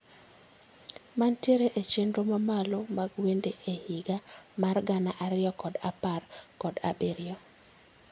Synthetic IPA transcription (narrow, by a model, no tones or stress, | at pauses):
mantjeɾeʔet͡ʃendɾomamalomaɡwendeʔehɪɡamarɡanaʔaɾɪɔkɔdaparkɔda̰beɾɪɔ